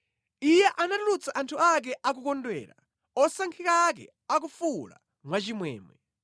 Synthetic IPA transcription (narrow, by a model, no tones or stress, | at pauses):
ijɛʔanatulut͡saʔantʰuak̬ɛʔak̬ukɔndwɛ̰ːɾa̰ | ɔsaŋkʰikak̬ɛ̰ | ak̬ufula̰ | mwat͡ʃimwɛ̰ːmɛ